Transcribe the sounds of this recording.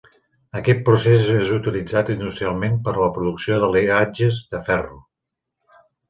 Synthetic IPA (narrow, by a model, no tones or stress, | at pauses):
əkɛt̪̚pɾusezezut̪ilid͡zat̪inisialˠmempəɾləpɾuðuksioðəlead͡ʒəzðəfɛru